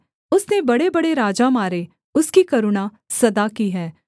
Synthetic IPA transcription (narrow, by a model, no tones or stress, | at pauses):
ʊsnebɐɽebɐɽeɾaːd͡ʒamaːɾe | ʊskikɐɾʊɽ̃a | sɐd̪akiɦɛː